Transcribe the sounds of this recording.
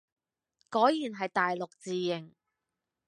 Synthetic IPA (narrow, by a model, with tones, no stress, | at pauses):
kɔː˨˥jjiː˨˩nɦɐ˨jt̪aː˨jlʊ˨k̚t͡siː˨jɪ˨˩ŋ